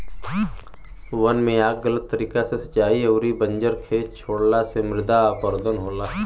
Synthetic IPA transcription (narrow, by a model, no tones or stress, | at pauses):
ʋənmẽaːk̚ɡələt̪ːəɾiːkasesə̥t͡ʃaːiɐwɾibə̃ɲd͡ʒəɾkʰeːt͡ʃt͡ʃʰoːɽlasemɪɾɪd̪aːpəɾd̪ənɦoːlaː